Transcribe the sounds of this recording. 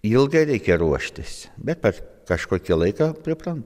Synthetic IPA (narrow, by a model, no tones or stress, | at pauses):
ilˠɡɐɪɾʲɛɪkʲɛɾuɔʃʲt̪ʲɪsbʲɛt̪̚pʲɛrkɐʃkuɔkʲilˠɐɪkɑpʲɾʲɪpɾɐnt̪